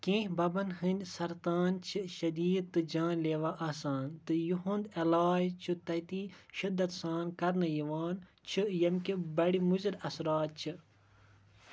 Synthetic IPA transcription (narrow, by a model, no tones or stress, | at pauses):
kẽːhʲbɐbɐnɦɨnʲd̪ʲsɐɾt̪aːnt͡ʃʰiʃɐd̪iːd̪̚t̪ɨd͡ʒãːnleːʋaʔɐːsaːnt̪ɨjuɦũnd̪ɐlaːjt͡ʃʰut̪ɐt̪ĩːʃɨd̪ːɐt̪saːnkɐɾnɨjiʋaːn | t͡ʃʰɨjɐmkibɐɽimuziɾɐsɾaːt̪̚t͡ʃʰɨ